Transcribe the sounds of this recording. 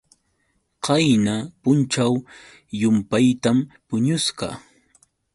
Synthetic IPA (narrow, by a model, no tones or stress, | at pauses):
qɑjnapʊnt͡ʃaw | jʊmpajt̪ampʊɲʊsɢɑ̰